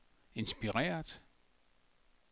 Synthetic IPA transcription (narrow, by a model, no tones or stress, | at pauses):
e̝nsb̥iʁɛ̰ːɐd̥